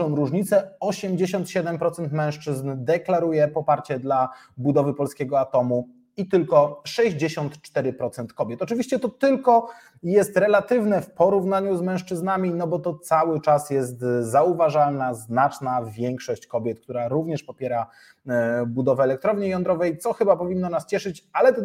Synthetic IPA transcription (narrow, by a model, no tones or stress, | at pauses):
ɔ̃w̃ɾuʐɲit̪sɛɔɕɛmd͡ʑeɕɔnt̪ɕɛd̪ɛmpɾɔt̪sɛnt̪mɛ̃w̃ʂt͡ʂɘznd̪ɛklaɾujɛpɔpaɾt͡ɕɛd̪la | bud̪ɔvɘpɔlskʲɛɡɔat̪ɔmu | it̪ɘlkɔʂɛʑd͡ʑeɕɔnt̪t͡ʂt̪ɛɾɘpɾɔt̪sɛnt̪kɔbʲjɛt̪ɔt͡ʂɘvʲiɕt͡ɕɛt̪ɔt̪ɘlkɔ | jɛst̪ɾɛlat̪ɘvnɛfpɔɾuvnaɲuzmɛ̃w̃ʂt͡ʂɘznamʲinɔbɔt̪ɔt̪sawɘt͡ʂasjɛst̪zauvaʐalnaznat͡ʂnavʲjɛŋkʂɔɕt͡ɕkɔbʲjɛt̪̚k̚t̪uɾaɾuvɲɛʂpɔpʲjɛɾa | bud̪ɔvɛːlɛk̚t̪ɾɔvɲejɔnd̪ɾɔvɛjt̪sɔxɘbapɔvʲinːɔnast͡ɕɛʂɘt͡ɕalɛ